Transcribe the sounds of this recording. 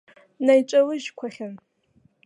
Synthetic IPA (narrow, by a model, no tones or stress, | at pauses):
najt͡ʃʷʼalɨʒkʷʰaχʲan